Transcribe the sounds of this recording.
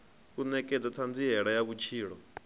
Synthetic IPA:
kunɛkɛd͡zat̪ʰand͡ziɦɛɺajaβut͡ʃʰiːɺɔ

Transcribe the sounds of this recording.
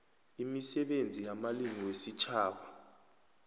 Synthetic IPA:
imisɛɓend͡zʱijamaliŋiwesit͡ʃʰaːɓa

